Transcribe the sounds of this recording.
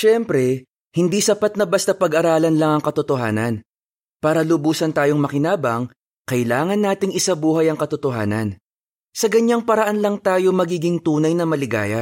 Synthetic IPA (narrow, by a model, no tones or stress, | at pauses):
ʃɛmpɾɛ | hɪnd̪iːsɐpat̪̚nɐbɐst̪ɐpɐɡʔɐɾaːlɐnlɐŋɐŋkɐt̪ʊt̪oɦa̰ːnɐn | paːɾɐlʊbuːsɐnt̪aːjoŋmɐkɪnaːbɐŋ | kɐʔɪlaːŋɐnːaːt̪ɪŋɪsabuːɦɐjɐŋkɐt̪ʊt̪oɦa̰ːnɐ̰n | sɐɡɐɲaŋpɐɾɐʔanlɐŋt̪aːjo̞mɐɡiːɡɪŋt̪uːnɐjnɐmɐlɪɡa̰ːjɐ